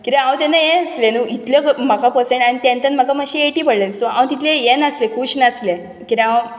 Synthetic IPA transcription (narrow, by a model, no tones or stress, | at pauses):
kiɾẽawt̪enajẽəslenuit̪ljəkm̤akapəsẽɳʈañit̪jãnt̪ənm̤akaməɡɕieʈiːpəɽlelsoã̰w̃t̪it̪ʰlejenəslekʰuɕnasle | kiɾẽaw